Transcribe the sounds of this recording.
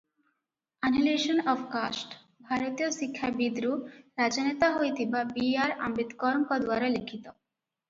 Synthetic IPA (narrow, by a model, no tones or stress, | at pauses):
anɦileʃonɔfkasʈ | bʱaɾot̪ioʃikʰːabid̪ɾuɾad͡ʑanet̪aɦojt̪ibabiaɾa̰mbit̪kɔɾmkɔd̪waɾelikʰːit̪o